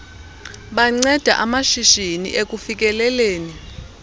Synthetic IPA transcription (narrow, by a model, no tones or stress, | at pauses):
ɓaŋ͡ǀɛd̥ʱaʔamaʃiʃinḭʔek̬ʼufik̬ʼɛlɛleːni